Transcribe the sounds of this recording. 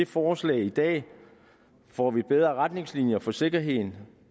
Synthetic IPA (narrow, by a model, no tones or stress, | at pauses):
efɒːslɛ̰ːɪid̥ɛ̰ː | fɒ̰ːʋib̥eð̞ˠʁɐʁad̥ne̝ŋslinjɐfɒ̽se̝ɡ̥ɐɦe̝ð̞̰ˠn̩